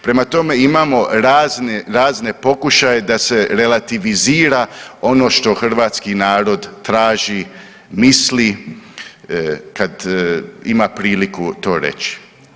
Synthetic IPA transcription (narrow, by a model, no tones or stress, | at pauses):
pɾe̞mat̪o̞me̞imamo̞ɾaːzneɾaːzne̞po̞kuʃaje̞d̪ase̞ɾe̞lat̪iʋiziːɾao̞no̞ʃt̪o̞xr̩ʋaːt̪skinaːɾo̞d̪t̪ɾaːʒi | misli | kad̪ḭmapɾiːlikut̪o̞ːɾḛt͡ʃi̥